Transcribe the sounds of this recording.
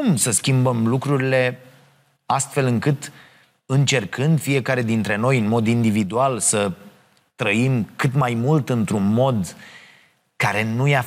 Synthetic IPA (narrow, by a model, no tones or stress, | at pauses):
umsəskʲimbəmlukɾuɾile̞ | ast̪fe̞lɨŋkɨt̪ | ɨnt͡ʃe̞rkʰɨnd̪fije̞kaɾe̞d̪int̪ɾe̞no̞jɨnmo̞d̪ind̪ivid̪ualsə | t̪ɾəimkɨt̪majmult̪ɨnt̪ɾunmo̞d̪ | kaɾe̞nuja